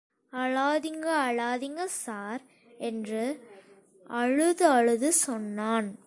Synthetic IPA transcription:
ɐɻaːðɪŋɡɐːɭaːðɪŋɡɐsaːɾ | ɛndrɯ | ɐɻɯðɯɐɻɯðɯsɔnːaːn

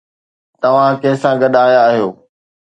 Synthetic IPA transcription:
t̪ɐʋ̤ãkeɦsãɡɐɗaːjaːɦijoː

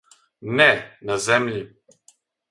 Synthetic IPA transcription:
nɛnazɛmli

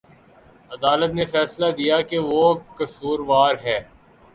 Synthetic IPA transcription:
ɐd̪aːlət̪nefɛːslad̪ijakeʋokɐsuːɾʋaːɾɦɛː

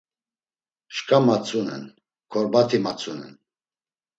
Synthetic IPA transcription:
ʃkʰʼamat͡sʰʼunɛ̰n | kʰɔɾbat̪ʰimat͡sʰʼunɛ̰n

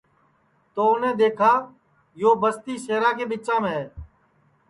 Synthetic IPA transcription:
t̪oːʊnẽːd̪eːkʰaː | joːbəst̪iːseːɾãːkeːɓɪt͡ʃãːmẽː

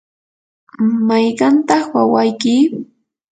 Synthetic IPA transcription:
majɢɑnt̪ɑχwawajkɪ

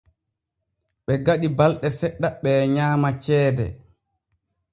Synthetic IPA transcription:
ɓɛɡaɗibalɗɛsɛɗːaɓɛɲaːmat͡ʃɛːdɛ̰

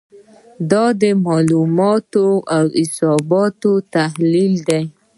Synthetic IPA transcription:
d̪ɑd̪əmɑlumɑt̪oawɪsɑbɑt̪ot̪ahlild̪aj

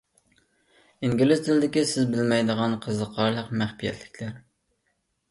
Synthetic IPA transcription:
iŋɡʲilɪzt̪ʰɪld̪ɪkʲisɪzbɪlmɛjd̪əʁɑnqʰəzəqʰɑɾlˠəqmæχpijɛ̰t̪ʰlɪ̥kʲlæɾ

